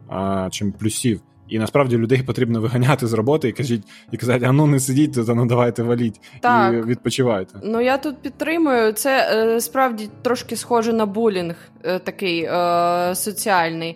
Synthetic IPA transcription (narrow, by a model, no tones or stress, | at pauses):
t͡ʃɪmplʲʊsʲiw | inɐspɾɑʋdʲilʲʊd̪ɛjpɔt̪ɾʲibnɔʋɪɦɐnʲat̪ɪzrɔbɔt̪ɔikɐʒʲit̚ʲikɐzɑtʲɐnunɛsɪdʲit̚ʲt̪ɔt̪ɐnɐd̪ɐʋɑjt̪ɛʋɐlʲitʲt̪ɑkʋʲid̪̚pɔt͡ʃɪʋɑjt̪ɛnujat̪ut̪̚pʲit̪ːɾɪmʊjʊt̪sɛspɾɑwdʲit̪ɾɔʃkɪsxɔʒɛnɐbulʲinx | t̪ɐkɪj | sɔt͡sʲiɑlʲnɪj